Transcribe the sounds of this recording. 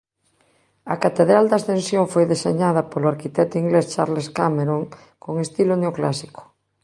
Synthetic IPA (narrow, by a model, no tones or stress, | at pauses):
ɐ̰kat̪eðɾald̪ast̪ẽnsjõɱfojðeseɲaðapoloaɾkit̪ɛt̪oiŋɡlest͡ʃa̰ɾleskameɾõŋ | koŋest̪iloneoklasiko̥